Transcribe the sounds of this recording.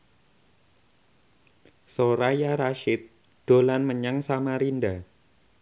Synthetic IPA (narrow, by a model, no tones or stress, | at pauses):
soɾajaɾaʃɪt̪̚ | ɖ̥o̤lanməɲaŋsamaɾinda